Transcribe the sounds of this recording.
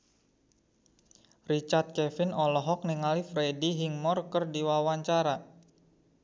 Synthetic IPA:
rit͡ʃart̪̚kɛfɪnɔlɔɦɔk̚niŋalifɾediɦiŋmɔrkərdiwawaɲt͡ʃaɾa

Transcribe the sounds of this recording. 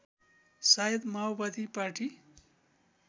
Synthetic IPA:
sajed̪mawbad̪ʱipaʈi

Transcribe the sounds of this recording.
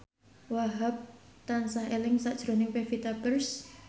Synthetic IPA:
waɦap̚t̪ansaɦelɪŋsaʔd̥ʒ̥ɾo̤nɪŋpefit̪apərs

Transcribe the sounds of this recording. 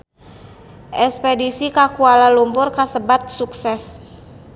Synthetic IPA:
ʔɛspɛdisikakualalumpʊrkasəbat̪̚suksɛs

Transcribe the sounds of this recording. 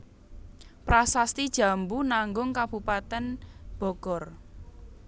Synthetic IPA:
pɾasast̪id̥ʒ̥ä̤mbunaŋɡʊŋkab̥upat̪ɛnb̥ɔ̤ɡ̥ɔr

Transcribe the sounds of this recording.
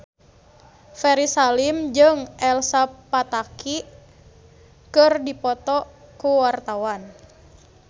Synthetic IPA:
fɛɾisalimd͡ʒɨŋɛlsapːat̪aki | kɨrdipɔt̪ɔkuwart̪awan

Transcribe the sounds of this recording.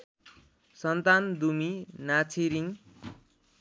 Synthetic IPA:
sʌnt̪and̪uminat͡sʰiɾiŋ

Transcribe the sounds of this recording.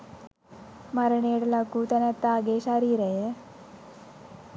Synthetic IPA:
maɾɳeɽlakuːt̪anat̪aɡeɕaɾiːɾaɦe

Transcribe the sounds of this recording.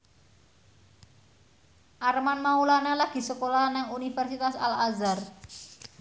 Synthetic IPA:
ʔarmanmaulanalaɡ̥i̤səkolanaŋunifɛrsit̪asalazar

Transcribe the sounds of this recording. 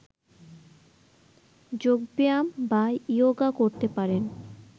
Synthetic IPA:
d͡ʑoɡ̚beambaioɡakoɾt̪epaɾen

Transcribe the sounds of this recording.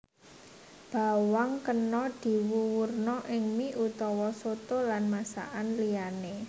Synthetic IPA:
b̥a̤waŋkənɔd̪̥i̤wuwurnɔʔɪŋmiʔut̪ɔwɔsot̪olanmasa̰ʔanliane

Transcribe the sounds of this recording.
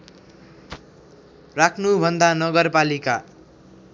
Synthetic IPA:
rakʰnubʱʌnd̪anʌɡʌrpalika

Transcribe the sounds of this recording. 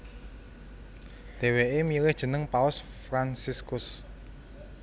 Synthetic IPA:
d̪̥e̤weemilɪhd̥ʒ̥ə̤nəŋpaʊs | fɾansiskʊs

